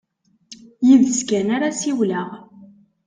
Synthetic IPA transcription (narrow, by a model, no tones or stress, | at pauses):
jiðəskænaɾasiwləʁ